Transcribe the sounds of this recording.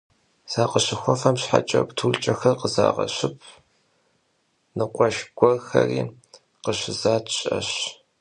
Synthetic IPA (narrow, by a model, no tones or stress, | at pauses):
z̥aːqəɕɪxʷɔfɐmɕħat͡ʃʼɐkʷʼtʰuːɮt͡ʃʼɐxɐrqəza̰ːʁɐɕɪpʰ | nɨqʷʼɔʃɡ̥ʷʼɔrxɐriː | qəɕɪzaːtʰɕʼɐɕ